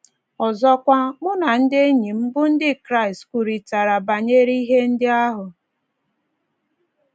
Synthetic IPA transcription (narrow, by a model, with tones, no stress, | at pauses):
ɔ˨zɔ˦kʷa˦mʊ˦na˨n̩˦dɪ˦ɲi˨m̩˦bʊ˦n̩˦dɪ˦kɾa˦ɪ˨stkʷu˨ɾi˨ta˨ɾa˨ba˨ɲe˦ɾi˦ɦe˦n̩˦dɪ˦a˦ɦʊ˨